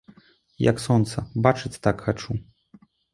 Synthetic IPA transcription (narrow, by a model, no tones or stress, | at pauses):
jɐ̰ksɔnt̪sɐbat͡ʂɨt͡sʲt̪akxat͡ʂu